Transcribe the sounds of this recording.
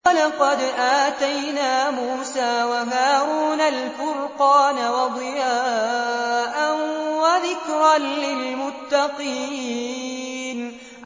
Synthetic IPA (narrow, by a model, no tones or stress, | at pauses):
lɑqɑd̪ʔaːt̪ajnaːmuːsaːwaɦaːɾuːnalfʊɾqɑːnawɑd̪ˤɨjaː | ʔanwaðɪkɾɑnlɪlmʊt̪ːɑqiː | n